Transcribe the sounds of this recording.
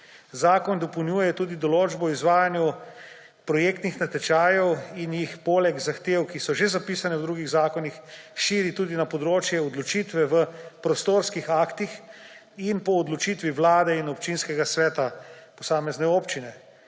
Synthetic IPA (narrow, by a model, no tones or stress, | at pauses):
zaːkɔnd̪ɔpəwnjuːjɛt̪uːd̪id̪ɔloːd͡ʒbɔɔizʋaːjanju | pɾɔjeːkt̪nixnat̪ɛt͡ʃaːjɛwinjixpoːlɛɡzaxt̪eːwkisɔʒezapiːsanɛwd̪ɾuːɡiɣzaːkɔnixʃiːɾit̪uːd̪inapɔd̪ɾoːt͡ʃjɛɔd̪lɔt͡ʃiːt̪ʋɛʋəpɾɔst̪oːɾskixaːkt̪ix | inpɔːd̪lɔt͡ʃit̪ʋiʋwlaːd̪ɛinɔp̚t͡ʃinskɛɡasʋɛːt̪apɔsaːmɛznɛoːpt͡ʃinɛ